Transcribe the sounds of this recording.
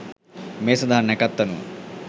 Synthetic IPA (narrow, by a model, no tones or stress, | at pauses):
meːsɐd̪aɦanɛkɐt̪ːɐnṵ